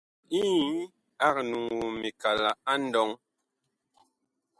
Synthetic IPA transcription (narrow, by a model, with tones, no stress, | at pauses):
i˦ | a˦˨k̚nu˨ŋwu˨mi˨ka˨la˨a˦n˦dɔ˨˦ŋ